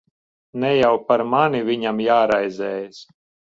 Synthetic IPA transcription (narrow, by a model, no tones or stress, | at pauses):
nɛjawpaɾmaniviɲamjaːɾajzɛːjas